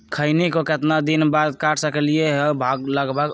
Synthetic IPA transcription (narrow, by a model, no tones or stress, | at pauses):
kʰəɪnikokət̪nad̪inbad̪kaʈʰsəkəlijeɦebʱaɡləɡbəɡ